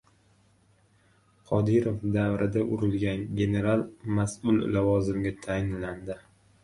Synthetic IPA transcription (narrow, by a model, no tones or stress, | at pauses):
qʰɒd̪ɪɾofd̪avɾʔɪd̪aʔʊɾɪlɡʲanɡʲe̞ne̞ɾalˠmasʊllavɒzɪmɡʲat̪ʰajɪnland̪ɪ